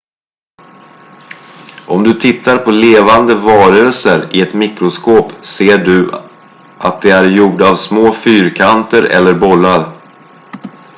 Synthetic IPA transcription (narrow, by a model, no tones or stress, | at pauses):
ʔɔmd̪ɵt̪ʰɪt̪ːaɾpʰɔleːvand̪əvɑːɾəlsəɾɪɛt̪mɪkɾʊskoːpseːɖɵ | ʔat̪̚d̪ɛæɾjuːɖaavsmoːfyːɾkʰant̪əɾɛ̰lːəɾbɔlːaɾ